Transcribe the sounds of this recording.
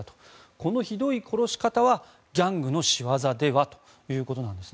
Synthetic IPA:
at̪o̥ | ko̞no̞çid̪o̞ikʰo̞ɾo̞ɕi̥kat̪aβa | ɡʲãŋɡɯ̟no̞ɕiβazad̪e̞βat̪o̞̥ | jɯ̟ːko̞t̪o̞nãnd̪e̞sɨ

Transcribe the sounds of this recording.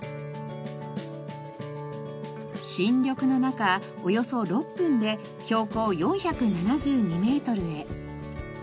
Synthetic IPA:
ɕĩɲɾʲo̞kɯ̟no̞naka | o̞jo̞so̞ɾo̞pːɯ̟̃nd̪e̞ | ço̞ːko̞ːjõ̞ɰ̃çakɯ̟nanaʑɨːɲ̟ime̞ːt̪o̞ɾɯ̟e̞

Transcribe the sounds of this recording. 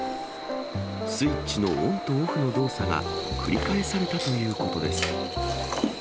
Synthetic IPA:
sɨit͡ɕino̞õnt̪oːɸɯ̟no̞d̪o̞ːsaɡa̰kʰɯ̟ɾʲikae̞saɾe̞t̪at̪o̞jɯ̟ːko̞t̪o̞d̪e̞sɨ̥

